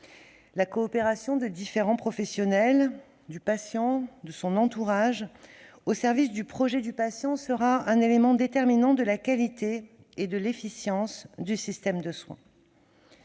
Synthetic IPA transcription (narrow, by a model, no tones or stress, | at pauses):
lakɔːpeʁasjɔ̃d̪əd̪ifeʁɑ̃pχɔfɛsjɔnɛl | d̪ypasjɑ̃d̪əsɔ̃nɑ̃t̪uʁaʒ | osɛʁvisd̪ypχɔʒɛd̪ypasjɑ̃səʁaɛ̃nelemɑ̃d̪et̪ɛʁminɑ̃d̪əlakalit̪eː | d̪əlefisjɑ̃sd̪ysist̪ɛmd̪əswɛ̰̃